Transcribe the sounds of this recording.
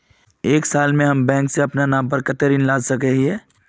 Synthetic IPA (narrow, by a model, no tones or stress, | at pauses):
eːksaːlmẽɦɐmbɛ̃ːŋkseɐpnanaːmp̬əɾkət̪əɾinlaːd͡ʒsəkəɦiɛː